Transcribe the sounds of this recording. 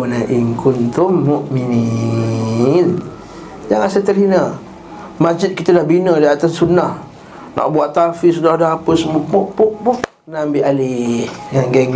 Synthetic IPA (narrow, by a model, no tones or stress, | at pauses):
naʔiŋkunt̪umːuʔmini | n | jaŋasat̪ərhinə | mad͡ʒit̪̚kit̪adahbinədiat̪asːunah | nʔa̰ʔbuaʔt̪afisudadahapəsəmupoʔpoʔpukənambiʔalihjaŋɡɛŋ